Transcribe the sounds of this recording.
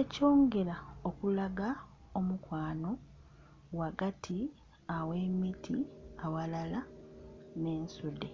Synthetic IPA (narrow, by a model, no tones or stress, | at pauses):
eco̞ːŋɡe̞ɾao̞kulaɡa | omukwaːno̞ | waɡatʰi | awe̞mitʰiawalala | ne̞ːnsude